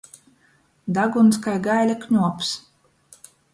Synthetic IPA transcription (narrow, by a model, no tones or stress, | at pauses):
d̪aɡuns̬kajɡajlʲakɲʲuɔps